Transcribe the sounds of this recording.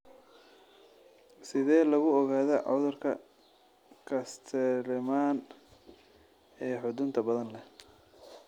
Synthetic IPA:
sɪðɛːlɐɣʊɔɣaːðɐʕʊ̰ðʊrkʰɐ | kʰɐst̪ʰɛɾɪmaːn | ɛːħʊd̪ʊnt̪ʰɐbɐðɐnlɛh

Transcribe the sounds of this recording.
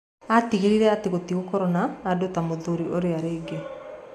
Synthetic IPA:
atiɣiɾiɾɛateɣotiɣokɔɾɔnaːdotamoðoɾiʔoɾeaɾeːɡe

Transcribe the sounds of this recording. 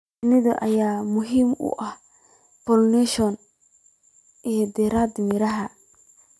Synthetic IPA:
ɪnɪðɔʔɐjaːmʊɦiːmʊ̰ʔɐh | pɔlnɛʃɔn | ʔɛːd̪ɛːɾaːd̪mɪɾɐɦɐ

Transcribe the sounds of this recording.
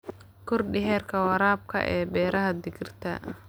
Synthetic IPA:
kʰʊrɖɪɦɛːrkʰɐwɑɾaːb̚kʰɐ̰ʔɛːbɛːɾɐɦɐd̪ɪɡɪrt̪ʰɐ̰

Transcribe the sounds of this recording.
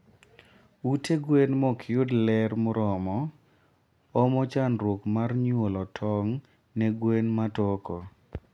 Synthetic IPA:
uteɡwenmɔkʰɪʊdlɛrmʊɾɔmɔ | ɔmɔt͡ʃanɾokmarɲwolɔtʰɔŋ | nɛɡwenmatɔkɔ

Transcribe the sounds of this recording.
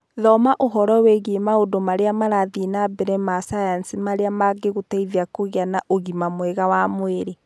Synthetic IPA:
ðɔmaʔoɦɔɾɔweɣiemaodomaɾeamaɾaðienabɛɾɛmasajansimaɾeamaɡeɣutaiðjakoɣeanaʔoɣimamwɛɣawamweɾe

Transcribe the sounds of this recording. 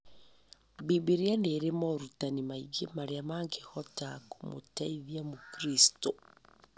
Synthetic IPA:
bibiɾjaneɾemoɾutanimaiɡemaɾeamaŋɡexɔtakumo̰taiðjamukɾisto

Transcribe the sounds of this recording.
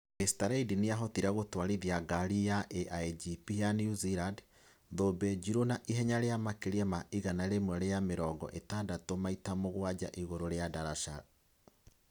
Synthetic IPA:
estaɾaidiniaɦɔtiɾaɣotwaɾiðjaɡaɾijaʔeʔaid͡ʒipijaniuziɾad | ðobɛd͡ʒiɾonaʔiɦɛɲaɾeamakeɾiamaʔiɣanaeɾemwɛɾejameɾɔːɡɔ̰ʔetadatomaitamoɣwad͡ʑa̰ʔiɣoɾoɾeadaɾaʃa

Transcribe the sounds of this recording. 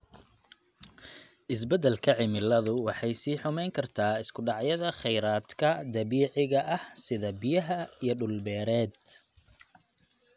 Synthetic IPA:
ʔɪs̬bɛd̪ɛlkʰɐʕɪmɪlɐðʊwɑħɑjsiːħʊmɛjŋkʰɐrt̪ʰaːɪskʰʊɖɑʕjɐðɐχɛjɾaːd̪kʰɐd̪ɐβiːʕɪɣɐʔɐhsɪðɐbɪjɐɦɐijɞɖʊlbɛːɾɛːd̪

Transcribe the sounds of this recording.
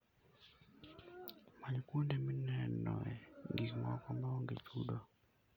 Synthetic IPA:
maɲkwondeminɛnɔ̰ɛŋɡikmɔ̰kɔmbɔŋɡet͡ʃudo

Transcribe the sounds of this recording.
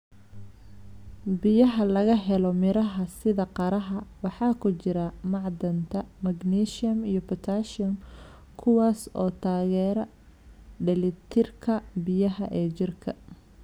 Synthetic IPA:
bɪjɐɦɐlɐɣɐɦɛlɔmɪɾɐɦɐsɪðɐqɑɾɐɦɐwɑħɑːkʰʊt͡ʃɪɾɐmɑʕd̪ɐnt̪ʰɐmɐɡniːʃɪɐmijɔpʰɐt̪ʰaːʃɪɐm | kʰʊwɑːsɔːt̪ʰaːɣɛːɾɐ | ɖɛlɪt̪ʰɪrkʰɐbɪjɐɦɐʔɛːt͡ʃɪrkʰɐ

